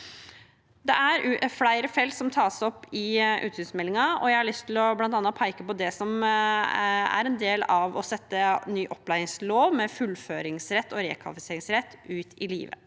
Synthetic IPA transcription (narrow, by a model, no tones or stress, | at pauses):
d̪ɛʔæɾflæɪɾəfɛlsɔmt̪ʰɑːsɔpːɪʔʉ̰ːt̪sʏsmɛlːɪŋɑɔ̰jæɪhɑɭʏst̪ʰɪlɔblɑnt̪ɑnːɑpʰɑɪkəpɔd̪ɛsɔm | æ̰ɾɛnd̪eːlɑʋɔsɛt̪ːənːyːʔɔpːlæɪɪŋsloːʋmɛfʉlføːɾɪŋsɾɛt̪ːɔɾḛːkʰʋɑ̰ɪfɪseːɾɪŋsɾɛt̪ːʉːt̪ʰɪlḭːʋə̰